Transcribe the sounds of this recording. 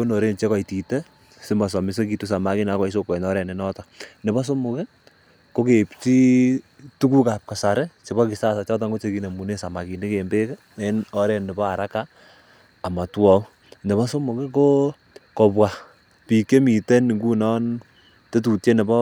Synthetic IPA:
o˦no˨ɾe˦nt͡ʃe˦kɔ˨iti˨te˦ | sɪ˦ma˨s̬ɔ˨mɪ˦s̬e˦ki˨tu˦s̬a˨ma˨ki˦na˨˦kɔ˨i˦s̬o˦kwe˨nɔ˦ɾɛ˨ne˦nɔ˦tɔne˨bɔ˦s̬o˦mu˨ke˦ | ko˦ke˨pt͡ʃi˦ | tu˦ku˦ka˨p̚ka˨sa˨ɾe˦t͡ʃe˨bɔ˦ki˨sa˦sa˨t͡ʃɔ˦t̬a˦ŋɡo˦t͡ʃe˦ki˨ne˨mu˨ne˦sa˨ma˨ki˨ni˦ke˨mbe˦k | enɔ˦ɾe˨nːe˨bɔ˦a˨ɾa˦kaː˦˨ | ma˨twɔ˦ | nɛ˨bɔ˦so˦mʊ˨ke˦ko˦ | kɔ˨pwa˨ | pi˨kːe˦mi˨te˦ni˨ŋɡu˦nɔ˦n | te˦t̬u˨tje˦ne˨bɔ˦

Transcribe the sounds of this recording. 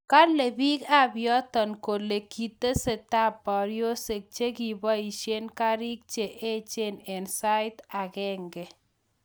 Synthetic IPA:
ka˦le˨bi˦ka˦bjɔ˦t̪ɔ˨nko˨le˨kːi˨t̪e˦se˨t̪a˦pːa˨ɾjo˦se˨k̚t͡ʃe˦ki˨ba˦i˨ʃe˦nka˦ɾi˦k̚t͡ʃe˨ʔe˦t͡ʃe˦nɛ˨nsa˦jt̪a˨kɛ˦ŋɡɛ˨

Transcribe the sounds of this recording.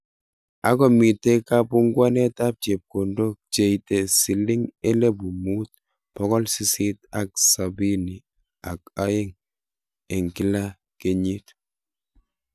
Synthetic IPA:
a˦kɔ˨mi˨tɛ˦ka˦bu˦ŋɡwa˦nɛ˦ta˦p̚t͡ʃe˨p̚ko˨ndo˦k̚t͡ʃe˨i˨tɛ˨si˨li˦ŋɛ˦lɛ˦bu˨mu˦t̚ | b̥ɔ˦kɔ˦lsi˦si˦ta˨k̚sa˨bi˦ni˨ | a˨ka˦je˦ŋ | ɛ˨ŋki˦la˦ | ke˨ɲi˦t

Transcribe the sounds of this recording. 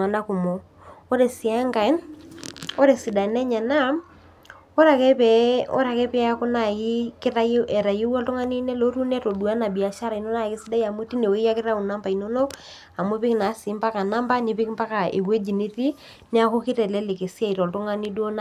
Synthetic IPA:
a˨na˦ku˨mo˨ | o˦ɾe˨si˨a˦ŋɡa˨˦n | o˦ɾe˨si˨da˨nɛ˦ɲa˨na˦ | o˦ɾa˨kɛ˦pɛ˨o̰˦ɾa˨kɛ˦pi˦a˦a˦ko˦na˨i˦kɾa˦ɛ˨ɾa˨je˦wɔ˦lto˦ŋa˦ni˦ne˦lo˦ɾu˦nɛ˦to˨dwa˦na˨bi˨a˨ʃa˦ɾa˨i˨no˦na˦˨ke˦si˦da˦ja˨mo˦ti˦ne˨wi˦ja˦kɪ˦ɾa˦u˨na˦mba˨i˨no˦no˦ | a˨mo˦pi˦kna˨˦si˨˦mpa˦ka˨na˦mba˦ne˨pi˦kmpa˦ka˨ḛ˨we˦d͡ʒi˨ni˦ti˦ | ne˦a˦ko˦ki˦ɾɛ˨lɛ˦le˨ke˨sja˦i˨ɾɔ˨lto˦ŋa˦ni˦dwo˦na˦

